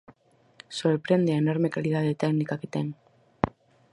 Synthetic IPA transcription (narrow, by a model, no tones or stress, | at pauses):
soɾpɾend̪eaenoɾmekalið̞að̞et̪ɛknikaket̪eŋ